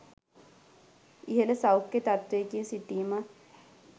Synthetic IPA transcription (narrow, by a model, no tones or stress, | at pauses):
iɦeləsawkːet̪at̪ʋeːkisiʈiːmə